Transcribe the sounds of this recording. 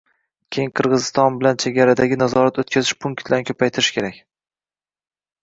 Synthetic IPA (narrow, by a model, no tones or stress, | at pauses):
kʲʰejɪŋqʰɨɾʁɨzɪst̪ɒnbɪlant͡ʃʰe̞ɡʲaɾad̪aɡʲɪnazɒɾat̪ot̪̚kʲʰazɪʃpʰʊŋkt̪d̪ankʰɵpʰajt̪ʰɪɾɪʃkʲʰe̞ɾakʲ